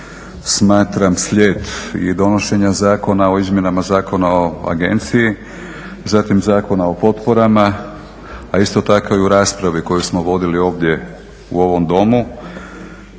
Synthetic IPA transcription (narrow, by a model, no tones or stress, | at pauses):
smaːt̪ɾamslʲe̞ːt̪ḭd̪o̞no̞ʃe̞ɲazaːko̞nao̞izmje̞namazaːko̞naoa̰ɡe̞̰nt̪siji | zat̪imzaːko̞nao̞po̞t̪po̞ɾama | aist̪o̞t̪ako̞iuɾaːspɾaʋiko̞jusmo̞ʋo̞d̪ilio̞ːʋd̪je̞ | ṵo̞ʋo̞md̪o̞mu